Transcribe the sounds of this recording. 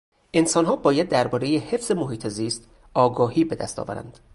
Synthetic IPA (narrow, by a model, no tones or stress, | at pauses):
ʔe̞nsɒːnɦɒːbɒːjæd̪ːæɾbɒːɾejehe̞fz̥e̞moɦiːt̪ʰe̞ziːst̪ | ɒːɡɒːhiːbe̞d̪æ̰st̪ʰɒ̰ːvæ̰ɾæ̰nd̪̥